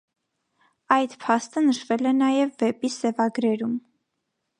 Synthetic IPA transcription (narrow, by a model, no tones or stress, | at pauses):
ɑjd̪pʰɑst̪ənəʃvɛlɛnɑjɛvːɛpisɛvɑɡɾɛɾum